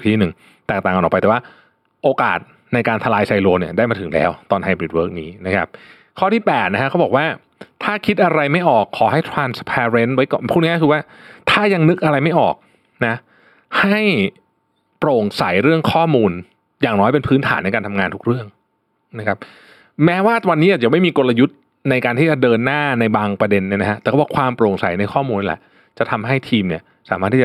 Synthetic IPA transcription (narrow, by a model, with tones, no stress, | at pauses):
t̪ʰiː˥˩nɯ˨˩ŋ | t̪ɛː˨˩k̚taː˨˩ka˧nʔɔː˨˩pa˧jt̪ɛ˨˩waː˥˩ | ʔoː˧ka̰ː˨˩t̪̚ | na˧jkaː˧nt̪ʰa˧laː˧jsa˧jloː˧ni˥˩daː˥˩jmaː˧t̪ʰɯ˩˦ŋlɛ̰ː˦˥wt̪ɔː˧nha˧jbɾi˨˩t̪̚wɤː˦˥k̚niː˦˥na˦˥kʰa˦˥p̚ | kʰɔː˥˩t̪ʰiː˥˩pɛː˨˩t̪̚na˦˥kʰa˦˥kʰwbɔː˨˩kwaː˥˩ | t̪ʰaː˥˩kʰi˦˥t̪̚ʔa˧ɾa˧jma˥˩jʔɔː˨˩kʰːɔː˩˦ha˥˩jt̪ʰɾaː˧nspʰɛː˧ɾe˦˥nwa˦˥jkɔ̰ː˨˩npʰu˥˩t̪̚niː˦˥kʰːwaː˥˩ | t̪ʰaː˥˩ja˧ŋnɯ˦˥k̚ʔa˧ɾa˧jma˥˩jʔɔ̰ː˨˩k̚ | na˦˥ | ha˥˩j | pɾoː˨˩ŋsa˨˩˦jɾɯ˥˩əŋkʰɔː˥˩muː˧n | jaː˨˩ŋnɔː˦˥jp̬e˧npʰɯː˦˥nt̪ʰaː˩˦nːa˧jkaː˧nt̪ʰa˧mŋaː˧nt̪ʰu˦˥k̚ɾɯ˥˩əŋ | na˦˥kʰa˦˥p̚ | mɛː˦˥waː˥˩t̪wa˧niː˦˥ʔaː˨˩t͡ɕa˨˩˦ma˥˩jmiː˧ko˧la˧ju˦˥t̪̚ | na˧jkaː˧nt̪ʰiː˥˩t͡ɕa˨˩dɤː˧nːaː˥˩na˧jbaː˧ŋpɾa˧de˧nːi˧˥˩na˦kʰa˦˥t̪ɛː˨˩˥waː˥˩kʰwaː˧mpɾoː˨˩ŋsa̰˨˩˦jna˧jkʰɔː˥˩muː˧nː˧lɛ̰˨˩ | t͡ɕa˨˩t̪ʰa˧mɦa˥˩jt̪ʰiː˧mni˥˩ɐ | saː˨˩˦maː˥˩t̪ːʰiː˥˩t͡ɕa˩